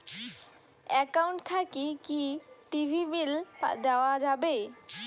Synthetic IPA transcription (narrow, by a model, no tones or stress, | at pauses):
ɛkawɳʈt̪ʰakikiʈibʱibild̪ɛoad͡ʑabe